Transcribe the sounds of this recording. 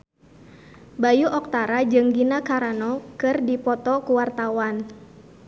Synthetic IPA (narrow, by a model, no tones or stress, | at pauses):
bajuʔɔk̚t̪aɾad͡ʒɨŋɡinakaɾanɔkɨrdipɔt̪ɔkuwart̪awan